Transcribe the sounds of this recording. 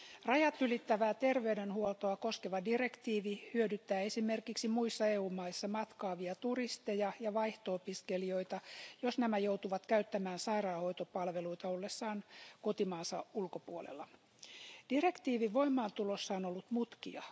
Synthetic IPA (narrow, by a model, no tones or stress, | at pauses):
rɑjɑt̪ylit̪ːæʋæːt̪e̞rʋe̞ydenhuolt̪o̞ɑko̞skeʋɑdire̞kt̪iːʋihyødyt̪ːæːe̞sime̞rkiksimuisːɑeːuːmːɑisːɑmɑt̪kɑːʋiɑt̪urist̪e̞jɑjɑʋɑjht̪oopiske̞lio̞jt̪ɑjo̞snæmæjowt̪uʋɑt̪kæyt̪ːæmæːnsɑiɾɑːho̞jt̪o̞pɑlʋe̞luit̪ɑo̞lːesːɑːnko̞t̪imɑːnsɑulko̞puolḛlːɑ | d̥ire̞kt̪iːʋiʋo̞imːɑːnt̪ulo̞sːɑono̞lːut̪mut̪kḭɑ̰